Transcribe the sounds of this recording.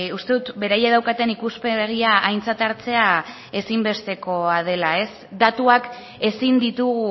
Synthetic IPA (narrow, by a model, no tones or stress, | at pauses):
ust̪e̞ðut̪be̞ɾajaðawkat̪e̞nikuspe̞ɣ̞iaajnt͡sat̪aɾt͡se̞a | e̞simbe̞st̪e̞ko̞að̞e̞lae̞s | d̪at̪uak | e̞sind̪it̪uɣu